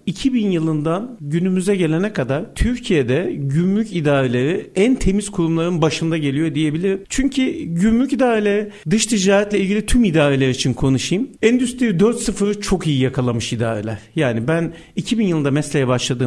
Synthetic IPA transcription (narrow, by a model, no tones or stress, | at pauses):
icʰibinjɯlˠɯnd̪anɟynymyzɛɟe̞lʲenɛkʰad̪aɾt̪ʰyɾcʰije̞d̪ɛɟymlʲycid̪aːɾelʲe̞ɾiænt̪ʰe̞miz̥kʰuɾumlˠaɾɯnbaʃɯnd̪aɟe̞lʲijo̞d̪ije̞bilʲiɾimt͡ʃʰyɲcʰiɟymlʲycid̪aːɾelʲe̞ɾid̪ɯʃt̪ʰid͡ʒaːɾɛt̪lʲɛilʲɟilʲit̪ʰymid̪aːɾelʲeɾit͡ʃʰinkʰo̞nuʃɯjɯmɛnd̪yst̪ɾiid̪øɾt̪sɯfɯɾɯt͡ʃʰo̞kijijakʰalˠamɯʃid̪a̰ːɾḛlʲæɾ̥jaːnibæn | icʰibinjɯlˠɯnd̪amɛslʲe̞jɛbaʃlˠad̪ɯːm